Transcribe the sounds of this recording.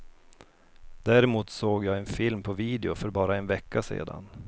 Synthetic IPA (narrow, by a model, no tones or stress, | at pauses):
d̪æɾɪmuːt̪soːɡjɑːɛnfɪlmpʰɔviːd̪ɛʊfœɾbɑːɾaɛnvɛkʰːasḛːd̪a̰n